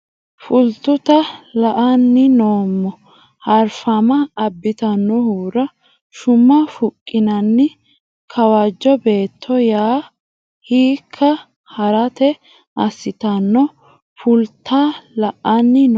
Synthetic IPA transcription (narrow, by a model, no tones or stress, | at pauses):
fʊlt̪ːʊt̪ɐlɐʔɐnːɪnoːmːɔ | hɐɾfɐmɐːbːɪt̪ɐnːɔhuːɾɐ | ʃʊmːɐfʊkʼːɪnɐnːɪ | kʰɐwad͡ʒːɔbe̞ːt̪ʰːɔjaː | hiːkʰːɐ | hɐɾɐt̪ɛ | ɐsːɪt̪ɐnːɔ | fʊlt̪ʰːaːlɐʔɐnːɪn